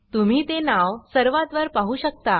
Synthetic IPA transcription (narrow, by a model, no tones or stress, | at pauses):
t̪um̤iːt̪enaʋsəɾʋat̪ʋəɾpaɦuːɕək̚t̪a